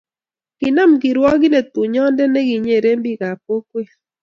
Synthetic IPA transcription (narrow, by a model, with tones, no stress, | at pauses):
ɡ̥ɪ˨na˦˨mɡɪ˨ɾwɔ˦ɡɪ˦nɛ˨t̪ʊ˨ɲɔ˦ndɛ˦nɛ˦ɡi˨ɲe˨ɾe˦mbi˦ɡa˨p̚o˦kwe˦˨